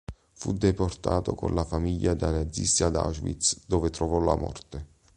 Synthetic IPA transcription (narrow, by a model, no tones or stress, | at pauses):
fud̪eport̪a̰ːt̪o̰ko̰nlafamiʎːad̪anad̪zḭst̪iad̪a̰ʒvḭt̪sd̪oːvet̪ɾɔvɔla̰mɔ̰rt̪e